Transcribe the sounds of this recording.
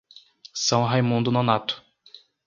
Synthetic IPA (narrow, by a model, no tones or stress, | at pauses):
sɐ̃w̃ɦajmũnd̪ʊnonat̪ʊ̥